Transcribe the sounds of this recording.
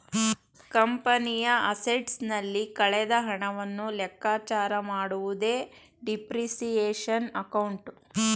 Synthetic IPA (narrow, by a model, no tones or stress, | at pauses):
kɐmpɐnijɐɐseʈsnɐlːikɐɭɛd̪ɐɦɐɳɐʋɐnːulɛkːaːt͡ʃaːɾɐmaːɽuʋud̪e̞ː | ɖipɾisijeːʂɐnɐkɐwɳʈ